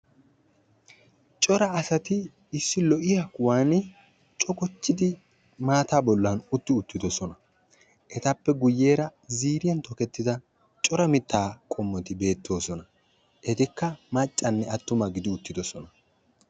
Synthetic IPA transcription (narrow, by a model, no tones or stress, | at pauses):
t͡ʃʼɔɾɐːsɐt̪ɪ | ɪsːɪlɔʔɪjɐkwaːnɪ | t͡ʃʼɔkɔt͡ʃːɪd̪ɪ | maːt̪aːbɔlːɐnʊt̪ːɪʊt̪ːɪd̪ɔsɔnɐ | ʔɛt̪ɐpːɛɡʊjːe̞ːɾɐziːɾɪjɐnt̪ɔkɛt̪ːɪd̪ɐ | t͡ʃʼɔɾɐmɪt̪ːaːkʼɔmːɔt̪ɪbe̞ːt̪ːo̞ːsɔnɐ | ʔɛt̪ɪkːɐmɐt͡ʃʼːɐnːɛɐt̪ːʊmɐɡɪd̪ɪʊt̪ːɪd̪ɔsɔnɐ